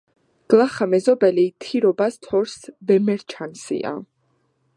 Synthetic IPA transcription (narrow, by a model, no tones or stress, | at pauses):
ɡ̥lˠaχamɛzɔbɛlit̪ʰiɾɔbast̪ʰɔɾsvɛmɛɾt͡ʃʰansḭa̰